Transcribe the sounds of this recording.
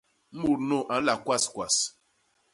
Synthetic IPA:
u˨ɾno˦˨ʔã˨˦la˨kwa˦skwa˨s

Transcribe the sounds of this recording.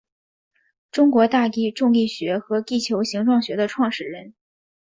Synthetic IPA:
ʈ͡ʂʊ˥ŋkwɔ˧˥t̪a˥˩t̪i˥ʈ͡ʂʊ˥˧ŋi˥˩ɕɥɛ˧˥xɤ˧˥t̪i˥˩t͡ɕʰjo˧˥ʊɕi˧˥ŋʈ͡ʂwɑ˥˩ŋɕɥɛ˧˥d̪ə˧ʈ͡ʂʰwɑ˥˧ŋʂɻ̩˥˩ɻə˧˥n

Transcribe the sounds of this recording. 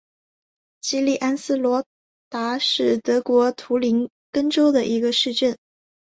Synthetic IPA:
t͡ɕi˥li˥˩ʔa˥nsɹ̩˥˩lwɔ˧˥ | t̪a˧˥ʂɻ̩˥˩t̪ɤ˧˥kwɔ˧˥t̪ʰu˧˥li˧˥n | kə˥ŋʈ͡ʂo˥ʊd̪ə˨ʔi˧˥ɡə˧ʂɻ̩˥˧ʈ͡ʂə˥˩n

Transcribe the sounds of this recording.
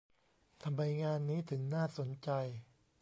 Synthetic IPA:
t̪ʰa˧mɾa˧jŋaː˧nːiː˦˥t̪ʰɯ˩˦ŋnaː˥˩so˩˦nt͡ɕa˧j

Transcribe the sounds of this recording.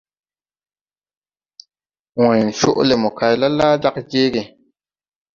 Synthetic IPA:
wɔ̃˨n˨ʃo̰˦ʔle˨mɔ˨ka˨jla˦la˦da˦k̚d͡ʒe˦ɡe˨

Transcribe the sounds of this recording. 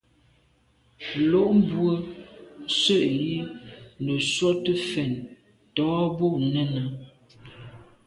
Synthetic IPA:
lo˦ʔm˦bwə˦ | sə˦˨ʔji˦nə˨swɔ˦tə˦fɛ˨n | tɔː˨˦bo˦˨ʔnə˦na˨

